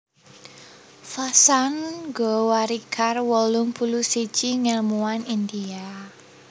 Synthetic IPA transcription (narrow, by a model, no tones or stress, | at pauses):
fasanɡɔwaɾikʰarwɔlʊŋpulusi̥t͡ʃiŋɛlmuwanind̪ia